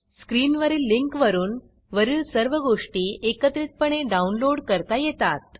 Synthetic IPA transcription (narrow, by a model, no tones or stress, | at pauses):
skɾiːnʋəɾiːlːiŋkʋəɾuːn | ʋəɾiːɭsəɾʋəɡoʂʈiːekət̪ɾit̪̚pəɳ̃eɖaunloɽkəɾt̪ajet̪at̪̚